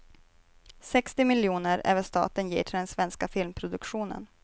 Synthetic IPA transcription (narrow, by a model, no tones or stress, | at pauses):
sɛkst̪ɪmɪljuːnəɾɛ̰ːvəʂt̪ɑ̰ːt̪ənjḭːʈʰɪld̪ɛnsvɛnskafɪlmpʰɾʊd̪ɵkɧuːnə̰n